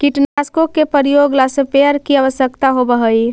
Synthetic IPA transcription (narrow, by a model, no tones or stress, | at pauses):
kiʈnaskokːepəɾijoɡlasepeəɾkiəʋəsjəkt̪aɦobəɦəi